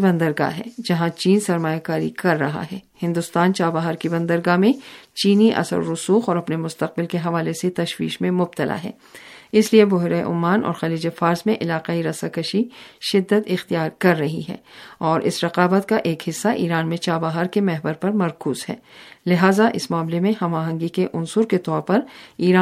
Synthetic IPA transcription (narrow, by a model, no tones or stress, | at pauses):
bɐ̃nd̪əɾɡa̰ɦɛ̰ːd͡ʒɐɦãt͡ʃiːnsɐɾmaːjakaːɾḭkɐɾːɐɦa̰ɦɛːhɪ̃nd̪ʊst̪aːnt͡ʃaːbaɦəɾkibɐ̃nd̪əɾɡamẽt͡ʃiːniʔɐ̰sə̰ɾːʊsuːxɔːɾɐpnemʊst̪ɐq̚bɪlkeɦɐʋaːleset̪ɐʃwḭːʃmẽmʊb̚t̪əla̰ɦɛ̰ː | ɪsliebʊɦɪɾaeʔʊ̰mːaːnɔ̰ːɾxɐliːd͡ʒefaːɾzmẽʔɪlaːqaiɾɐsakɐʃiʃɪd̪ːət̪ɪxt̪ijaːɾkɐɾːɐɦḭɦɛ̰ːɔːɾʔɪ̰sɾɐqaːbət̪kaʔeːkhɪsːaʔiːɾaːnmẽt͡ʃaːbaɦəɾkemɛɦbəɾpɐɾmɐɾkuːzɦɛ̰ːlɪɦaːzaʔɪ̰smaːmlemẽhɐmaːɦə̃ŋɡikeʔʊnsʊɾket̪ɔːɾpɐɾiːɾaː